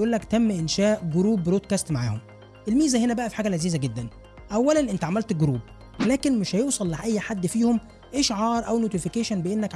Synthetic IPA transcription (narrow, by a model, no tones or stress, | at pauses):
ʔuːlːækt̪æmːʔenʃæːʔɡoɾuːbɾoːd̪̚kæst̪maʕa̰ːhom | ʔelmiːzæhenæbæʔæfiħaːɡælaziːzæɡed̪ːæn | ʔæwːælænʔent̪ʕamælt̪ɡoɾuːb̚ | læːkenmɪʃhæjoːsˤɑlːaʔæjːħad̪ːfiːhom | ʔeʃʕɑːɾˤʔæwnoːt̪ifikeːʃænbeʔenːækʕ